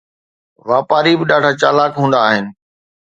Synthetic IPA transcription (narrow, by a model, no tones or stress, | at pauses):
ʋaːpaːɾibɪɗaːɖ̤ʱat͡ɕa̰ːlaːkɦũːnd̪aːɦɪnɪ̆